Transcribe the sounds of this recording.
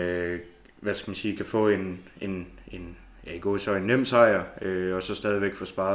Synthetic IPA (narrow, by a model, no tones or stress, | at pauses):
ø | ʋæsɡ̥æmænsiːkʰæfɔ̰ːe̝ne̝ne̝n | jæiɡ̥o̝̰ːsɒ̽e̝nːem̰sɑ̈ɪɐøɒ̽sɒ̽sd̥ɛːð̞ˠiʋeɡ̥fɒ̽sb̥ɑ̈ː